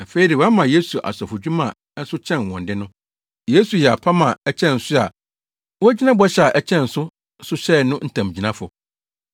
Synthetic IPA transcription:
na˨fe˦i˨˦dɪ˨wɔ˨˦a˦mã˨je˦su˨ʔa̰˨sɔ˨fʊ˨d͡ʑᶣu˦mã˨˦n̩˦sʊ˦t͡ɕʰɛ̃˦˨n˨wɔ̃˨ndɪ˦nʊ̃˦ | je˦su˨jɛ˨a˨pʰa˦mã˨ɛ˦t͡ɕʰɛ̃˦n̩˨sʊ˦a˨ | wɔ˦æ˦d͡ʑi˦nã˦bɔ˦ɕɛ˨a˨ʔɛ˦t͡ɕʰɛ̃˦˨n̩˨sʊ˦ | sʊ˦ɕɛ˦˨nʊ̃˦n̩˦tʰã˨m˨d͡ʑi˨nã˦fʊ˨

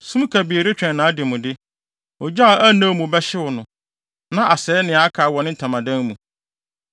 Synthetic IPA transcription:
sũ˦m˦kʰa˨bi˨e˨ɾɪ˦t͡ɕᶣɛ̃˨nːãː˨˦dɪ˨mʊ̃˨dɪ˦ | ɔ˨d͡ʑa˦˨ʔæ˦nã˦˨mũ˨bɛ˦ɕɪ˦wʊ˨nʊ̃˨ | nã˦ʔa˨sɛː˨˦nɪ̃˨a˨˦kʰa˨wɔ̃˨nɪ̃˦tʰã˨mã˨dã˦nmũ˨

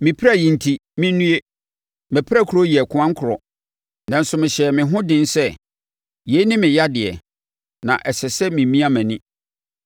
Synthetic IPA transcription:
mɪ̃˨pʰɾa˦˨jĩ˨n̩˨tʰi˨mɪ̃˦nũ˦e˦ | mɛ̃˨pʰɾa˦˨kʰu˨ɾo˦ji˨kʰʊ˦ã˦ŋ̩˦kʰʊ˨ɾɔ˨ | nã˨n̩˨˦sʊ˨mɪ̃˨ɕɛ˨mɪ̃˨ɦʊ̃˦dɪ̃˦nsɛ˦ | je˨˦nɪ̃˦mɪ̃˨ja˦dɪ˨ɛ̰˨ | nã̰˨ʔɛ˨sɛ˨sɛ˦mĩ˨mĩ˦a˦mæ̃˨nɪ̃˦

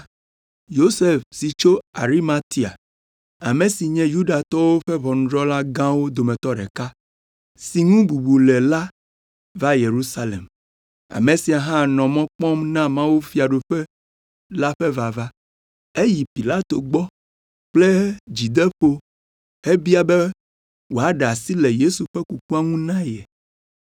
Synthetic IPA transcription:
jo˦se˦˨fsi˨t͡ʃo˦a˨ɾi˦ma˦t̪i˦a̰˨ | a˨mẽ˨si˨ɲɛ̃˦ju˦ɖa˨t̪ɔ˦wo˦ɸe˦βɔ˨ñ̩˦ɖɾɔ˦la˦ɡã˦wo˦d̪o˨mẽ˨t̪ɔ˦ɖɛ̰˨ka˦ | si˨ŋũ˦bu˨bu˨le˨la˦ | va˦je˨ɾu˦sa˦lḛ˨m | a̰˨me˨si˨a˨ɦã˦nɔ̃˨mɔ̃˦k͡pɔ̃˦mnã˦mã˦wuo˦fi˦a˨ɖo˨ɸɛ˦ | la˦ɸɛ˦va˨va˦ | e˦ji˨pi˨la˦t̪o˨ɡ͡bɔ˦ | k͡ple˦d͡ʑi˨d̪e˦ɸo˦ | e˦bi˦a˨bɛ˦ | wo˨a˨ɖa˨si˦lɛ˨je˦su˨ɸɛ˦ku˨ku˦a˦ŋũ˦nã˦jɛ˨

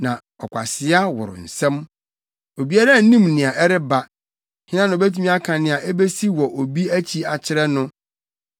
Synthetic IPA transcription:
nã˨ | ɔ˨kʷʰa̰˨sɪ˦a˦wʊ̰˨ɾʊ̰˨n̩˨sɛ̃˦m | o˨bi˦a˦ɾa˦˨n̩˦nĩ˦mnɪ̃˨a˨ʔɛ˦ɾɪ˦ba˨ | hɪ˦nã˦nʊ̃˨bæ˦tʰu˦mĩ˦a˦kʰã˨nɪ̃˨a˨ʔɛ˦be˦si˦wɔ˨ʔo˨bi˦æ˦t͡ɕʰi˦a˨t͡ɕʰɪ˦ɾɛ˦nʊ̃˦

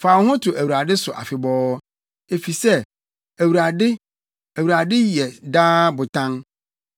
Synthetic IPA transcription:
faː˨whʊ̃˦tʰʊ˨ʔæ˨wu˨ɾa˨dɪ˦sʊ˨ʔa̰˨fɪ˨bɔː˦ | e˨fi˨sɛ˦ | æ˨wu˨ɾa˨dɪ˦ | æ˨wu˨ɾa˨dɪ˦jɛ˨daː˦bʊ˨tʰã˦ŋ

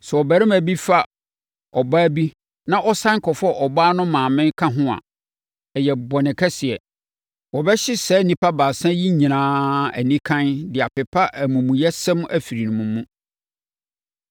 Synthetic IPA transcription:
sɛ˨ɔ˨bæ˨ɾɪ̃˦mæ˨bi˦fa˦ | ɔ˨baː˦bi˦ | nã˦ʔɔ˦sã˦ŋ˦kʰɔ˨fɔ˦ʔɔ˨baː˦nʊ̃˦mãː˨mɪ̃˦ŋkʰã˦ɦʊ̃˦a̰˨ | ɛ˨jɛ˨bɔ˨nɪ̃˨kʰɛ˦sɪ˨ɛ˨ | wɔ˨bɛ˦ɕɪ˦sɛː˦nĩ˦pʰa˦baː˨sã˦ji˦ɲĩ˨nãː˦æ̰˨nĩ˦kʰã˦ndɪ˨a˨pɪ˨pʰa˦ʔæ˨mũ˨mũ˨jɛ˦sɛ̃˦m˦æ˨fi˨ɾi˨nʊ̃˨mũ˨mũ˦

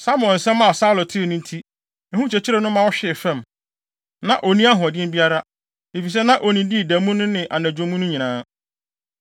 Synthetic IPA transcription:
sa˦mʊ̃˨ɛ̃˨n̩˨sɛ̃˦m˦mã˦˨sa˦lʊ˨tʰɪ˦˨nʊ̃˦n˦tʰi˦ | ɛ˨hũ˦t͡ɕʰɛ˨t͡ɕʰi˦ɾɛ˨nʊ̃˦mã˦wɔ˦ɕᶣɪ˦˨fɛ̃˦˨m | nã˨ʔo˨nĩ˦a˦ɦʊ̃˨æ˨dɪ̃˦m˦bi˦a˦ɾa˦ | e˨fi˨s̬ɛ˦nã˦ʔo˨nĩ˨di˦˨dæ̃˨mũ˦nʊ̃˦nɪ̃˨ʔa˨næ̃˨d͡ʑᶣõ˨˦mũ˦nʊ̃˦ɲĩ˨nãː˦

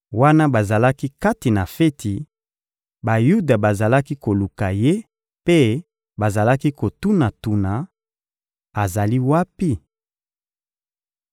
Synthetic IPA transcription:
wa˦na˦ba˨za˨la˦ki˦ka˦ti˨na˨fe˦ti˨ | ba˨ju˦da˨ba˨za˨la˦ki˦ko˨lu˨ka˨je˦ | pe˦ | ba˨za˨la˦ki˦ko˨tu˦na˨tu˨na˨ | a˨za˨li˦wa˦pi˦

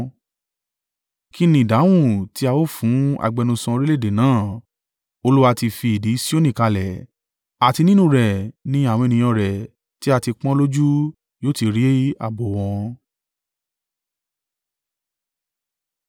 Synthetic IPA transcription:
ki˦nĩ˧˨da˨˦w̃ũ˦˨ti˦a˧wo˦˨fũ˨˦a̰˧˨ɡ͡bɛ˨˧nũ˧sɔ̃˧ɾi˦le˦˨de˨nãː˦˨ | o˧lu˦wa˧ti˧fi˧i˨di˨˦si˦o˦nĩ˦˨ka˧lɛ˨ | a˨ti˧nĩ˦nũ˦ɾɛ˨nĩ˦a˦˨wɔ̃˧e˧nĩ˨j̃ɔ̃˧ɾɛ˨ | ti˦a˧ti˧k͡pɔ̃˦lo˦d͡ʒu˦ | joː˦˨ti˧ɾi˦i˦a̰˦˨bo˨w̃ɔ̃˧

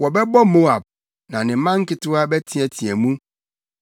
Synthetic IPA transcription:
wɔ˨bɛ˦bɔ˦mo˦a˨b̚ | nã˨nɪ̃˨˦mã˦ŋ̩˦kɪ˦tʊ˦a˦bɛ˦tʰi˦ɛ˨tʰĩ˨ɛ˨mũ˦

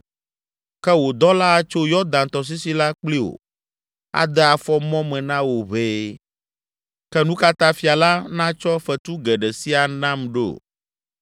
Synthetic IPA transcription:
kɛ˦wo˨d̪ɔ˦la˦a˨t͡ʃo˦jɔ˦d̪ã˨nt̪ɔ˨s̬i˦si˦la˦k͡pli˦wo̰˨ | a̰˨d̪ɛ˦a˨fɔ˦mɔ̃˦mɛ̃˨nã˦wo˨βeː˦ | kɛ˦nũ˦ka˦t̪a˦fi˨a˨la˦nã˦t͡ʃɔ˦fɛ˨t̪u˦ɡɛ˨ɖɛ˨si˦a˨nã˦mɖe˦o̰˨

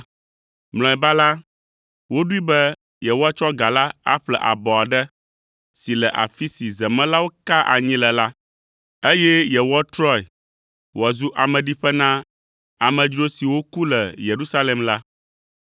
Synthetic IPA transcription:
ml̃ɔ̃˨ɛ˨ba˦la˦ | wo˦ɖu˦i˦bɛ˦ | jɛ˨wɔ˦a˦t͡ʃɔ˦ɡa˨la˦a̰˦ɸlɛ̰˨ʔa̰˨bɔ˨a˨ɖɛ˦ | si˨lɛ˨ʔa̰˨fi˦si˨zɛ˨mɛ̃˦la˦wo˦ka˦ʔa̰˨ɲĩ˦lɛ˨la˦ | e˦jɛ˦jɛ˨wɔ˦t̪ɾɔ˦ɛ˨ | wɔ˨zu˦ʔa˨mɛ̃˨ɖi˦ɸɛ˦nã˦ | a˨mɛ̃˨d͡ʒɾo˦si˨wo˦ku˦lɛ˨je˨ɾu˦sa˦le˨mla˦

